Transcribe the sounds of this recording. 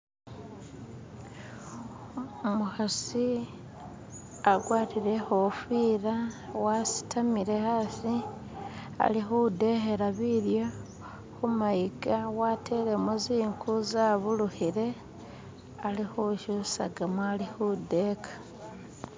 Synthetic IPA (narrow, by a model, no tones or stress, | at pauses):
omuxasi | aɡwaːtiɾe̞xofiːɾawasi̥tʰamiɾe̞hasi | a̰lixude̞xeɾaβiɾjo | xumaiɡawatʰe̞ɾemuziːŋkʰuzaβuluhiɾe̞ | alixuʃusa̰ɡamalixude̞kʰḁ